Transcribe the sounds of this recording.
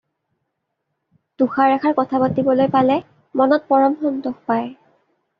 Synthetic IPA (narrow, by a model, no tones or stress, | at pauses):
tuxaɹɛxaɹkɔtʰapatibɔlojpalɛ | mɔnɔt̚pɔɹɔmxɔndɔxpaj